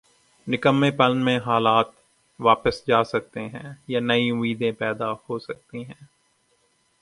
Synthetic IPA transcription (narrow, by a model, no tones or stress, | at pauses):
nɪkəmːẽpɐlnmẽɦaːlaːt̪ | ʋaːpəsd͡ʒaːsɐk̚t̪eɦɛ̃ːjanɐiʊmiːd̪ẽpɛːd̪ahoːsɐk̚t̪iɦɛ̃ː